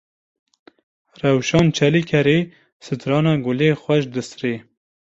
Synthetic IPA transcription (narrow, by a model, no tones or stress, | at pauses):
rɛwʃɑːnt͡ʃʰɛlikʰɛɾe | sɨt̪ɾɑːnɑːɡʊleːxʷwɛʃd̪ɨsre